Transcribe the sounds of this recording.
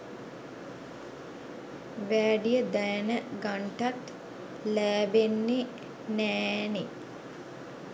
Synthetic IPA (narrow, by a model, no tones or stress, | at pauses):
ʋæːɖijəd̪ajnəɡaɳʈat̪ | læːbenːe | næːne